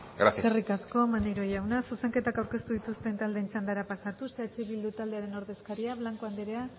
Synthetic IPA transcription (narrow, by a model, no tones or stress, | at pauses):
ɡɾa̰siaerikasko̞manejɾo̞jawnasuse̞ŋke̞t̪akawɾke̞st̪uðit̪ust̪ent̪ald̪ent͡ʃand̪aɾapasat̪useat͡ʃiβild̪ut̪ald̪eaɾe̞no̞ɾðe̞skaɾiaβlaŋkoand̪eɾea